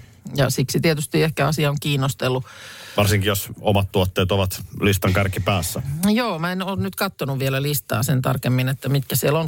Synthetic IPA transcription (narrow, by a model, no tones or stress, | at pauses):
jɑsiksit̪iet̪yst̪iehkæɑsiɑoŋkiːnːost̪elːuʋɑrsiŋkijosomɑt̪t̪uot̪ːeːt̪oʋɑt̪list̪ɑŋkærkipæːsːæjoːmæenoːnnyt̪kɑt̪ːonuʋʋielælist̪ɑ̰ːsent̪ɑ̰rkemːinet̪ːæmit̪kæsielon